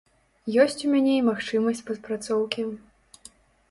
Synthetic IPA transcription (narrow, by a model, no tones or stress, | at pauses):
jɔsʲt͡sʲumʲanʲeimaxt͡ʂɨmɐsʲt͡sʲpɐt̪pɾat̪sɔwkʲi